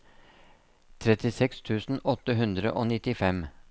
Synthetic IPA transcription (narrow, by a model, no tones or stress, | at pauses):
t̪ʰɾɛt̪ɪsɛkst̪ʰʉːsn̩ɔt̪əɦʉnd̪ɾə̰ʔoːnɪt̪ɪfɛm